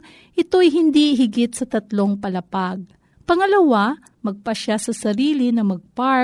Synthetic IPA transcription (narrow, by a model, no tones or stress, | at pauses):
ʔɪt̪o̞jɦɪnd̪iʔɪɦɪɡɪt̪sɐt̪ɐt̪loŋpɐlɐpaɡ̚ | pɐŋɐlɐwa | mɐɡ̚pɐʃasɐsɐɾiːlɪnɐmɐɡ̚pa